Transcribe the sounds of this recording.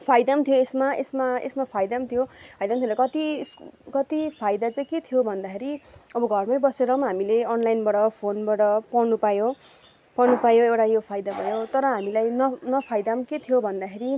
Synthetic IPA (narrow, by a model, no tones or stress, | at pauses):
pʰajd̪amt̪ʰijoesmaḛsmaḛsmapʰajd̪amt̪ʰijopʰajd̪amt̪ʰjɾʌkʌt̪iskʌt̪ipʰajd̪at͡saj̃ket̪ʰijobʱʌnd̪akʰeɾiʌbʌɡʱʌrmajbʌseɾʌɦmɦamileʌnlajnbaʈʌpʰonbaɽʌpʌnupajo | pʌnupajoewʈajopʰajd̪abʱʌjot̪ʌɾʌɦamilajnʌnʌpʰajd̪amket̪ʰijobʱʌnd̪akʰeɾi